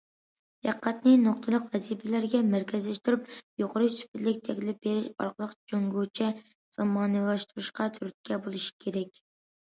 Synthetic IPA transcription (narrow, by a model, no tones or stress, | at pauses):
jæqʰːæt̪nɪnoq̚t̪ʰɨlˠəqvɛzipʰɪlæɾɡʲɛmæɾkʲʰɛzlɛʃt̪uɾup̚joqʰəɾɨsy̥pɪt̪lɪkʲt̪ʰɛkʲlɪp̚beɾɪʃɑ̰ɾqʰəlˠəqd͡ʒoŋɡut͡ʃʰɛ | z̥ɑmɑːnɨlˠɑʃt̪ʰuɾuʃqɑt̪ʰyɾyt̪̚kʲɛbolˠɨʃi̥kʲʰeɾɛkʲ